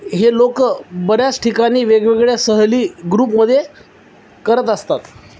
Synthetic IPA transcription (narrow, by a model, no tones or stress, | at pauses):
ɦelokbəɾjat͡sʈʰikaniːʋeɡʋeɡɭjasəɦliːɡɾuːpməd̪ʱːje | kəɾət̪əst̪at̪